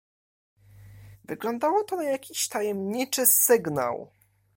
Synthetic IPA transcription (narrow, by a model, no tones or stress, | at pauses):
vɘɡlɔnd̪awɔt̪ɔnajakʲiɕt̪ajɛmɲit͡ʂɘsɘɡna̰w